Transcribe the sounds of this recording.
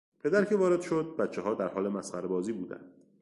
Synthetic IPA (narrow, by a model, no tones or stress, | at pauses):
pʰe̞d̪æɾkʰe̞vɒːɾe̞d̪ʃod̪̚bæt̪t͡ʃʰeɦɒːd̪æɾhɒːle̞mæsχæɾbɒːziːbuːd̪æ̰nd̪̥